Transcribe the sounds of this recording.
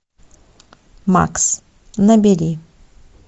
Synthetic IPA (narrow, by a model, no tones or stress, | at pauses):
ma̰ks | nɐbʲeɾʲi